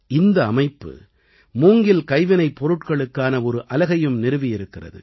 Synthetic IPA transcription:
ɪnd̪ɐːmɐɪpːɯ̰ | muːŋɡɪlkɐɪʋɪnɐɪpːɔɾɯʈkɐɭɯkːaːnɐɔɾɯʔɐlɐɣɐjɯmnɪɾɯʋɪjɪɾɯkːɪrɐ̰ðɯ̰

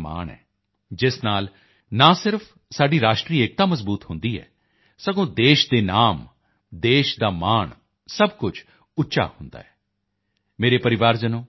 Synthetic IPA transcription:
ma̰ːɳɛ̰ː | d͡ʒɪsnaːl | nãːsɪɾpʰ | saːɖiːɾaːʃʈɾiːeːk̚t̪ãːməzbuːt̪hʊ̃nd̪iːɛ̰ː | səɡõːd̪eːʃd̪eːnaːm | d̪eːʃd̪aːmaːɳ | səbkʊt͡ʃʰ | ʊtːʃa̰ːhʊnd̪a̰ːɛː | meːɾeːpəɾɪʋaːɾd͡ʒənõː

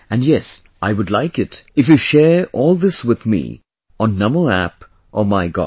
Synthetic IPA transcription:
ɨ̃njɛs | ʔaɪwʊdˡlaɪkɪtɨfjɨʃɛɹɔːlˠðɪswɪðmḭ | ə̃nːʌməæ̰p | ʔəmaɪɡɑ̰

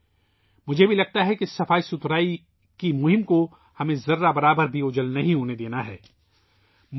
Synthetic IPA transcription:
mʊd͡ʒʱebʱilɐɡ̚t̪aɦɛkisːɐfaːisʊt̪ɾaːi | kimʊɦɪmko | hɐmẽzɐɾːabɐɾaːbəɾbʱiʊd͡ʒəlnɐɦĩɦoːned̪eːnaɦɛ̰ː | m

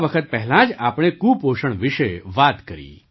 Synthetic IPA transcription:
ʋəkʰət̪̚pɛɦɛlãd͡ʒapɽ̃ekupoʃəɳ̃ʋɪʃeʋat̪kəɾḭ

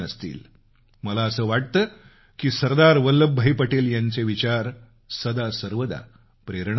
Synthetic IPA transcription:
əst̪ḭːl | məlaəsəːʋaɽ̚t̪əː | kiːsəɾd̪aɾʋəlːəbʱːəipəʈeljaɲt͡seʋit͡ɕaɾ | səd̪asəɾʋəd̪a̰ | pɾeɾɳ

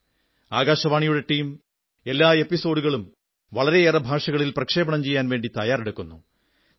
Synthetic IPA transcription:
aːɡaːɕɐʋaːɳijuɽe̞ʈiːm | e̞lːaːe̞pːiso̞ːɖuɣɐɭum | ʋɐɭɐɾe̞eːrɐbʱaːʂɐɣɐɭilprɐkʂeːbɐɳɐmt͡ɕe̞jːaːnʋe̞ːɳɖit̪ɐjaːreɽukːunːu

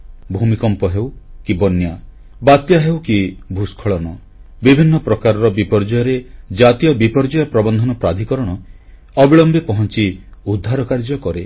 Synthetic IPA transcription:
bʱumikɔmpɔɦewkibɔnja | bat̪jaɦewkibʱuskʰɔɭɔnɔ | bibʱinːɔpɾɔkaɾɔɾɔbipɔɾd͡ʒɔjɔɾed͡ʒat̪ijɔbipɔɾd͡ʒɔjɔpɾɔbɔnd̪ʱɔnɔpɾad̪ʱikɔɾɔɽ̃ɔ | ɔbiɭɔmbepɔɦɔnt͡ʃiud̪ʱːaɾɔkaɾd͡ʒɔkɔɾe

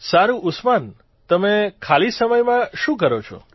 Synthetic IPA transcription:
saɾũʔʊsman | t̪əmekʰalisəməjmãʃũkəɾot͡ʃʰɔ̰

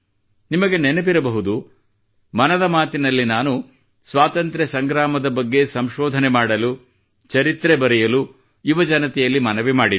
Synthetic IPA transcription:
nimɐɡe̞nenepiɾɐbɐɦud̪u | mɐnɐd̪ɐmaːt̪inɐlːinaːnu | sʋaːt̪ɐnt̪ɾesɐŋɡɾaːmɐd̪ɐbɐɡːe̞sɐmʃɔːd̪ʱɐnemaːɽɐlu | t͡ʃɐɾit̪ɾebɐɾɛjɐlu | iʋɐd͡ʒɐnɐt̪ɛjɐlːimɐnɐʋimaːɽi

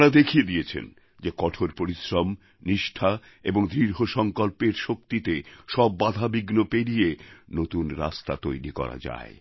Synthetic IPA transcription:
ɾad̪ekʰijed̪ijet͡ɕʰḛn | d͡ʑekɔʈʰoɾpoɾiʃɾom | niʃʈʰa | eboŋd̪ɾiɾɦoʃɔŋkolpeɾʃok̚t̪it̪eʃɔbːad̪ʱabiɡnopeɾijenot̪unɾa̰st̪at̪ojɾikɔ̰ɾa̰d͡ʑa̰e

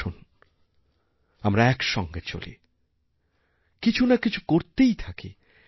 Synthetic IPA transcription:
un | amɾaɛkʃɔŋɡet͡ɕo̰lḭ | kit͡ɕʰunakit͡ɕʰu̥koɾt̪ejt̪ʰakḭ

